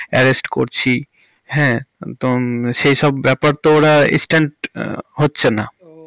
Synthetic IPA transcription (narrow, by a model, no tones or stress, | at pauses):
ɛɾesʈko̰ɾt͡ɕʰi | ɦɛ̃t̪oʃejʃɔbːɛpaɾt̪ooɾaḭ̃sʈeɳʈɦotːɕʰena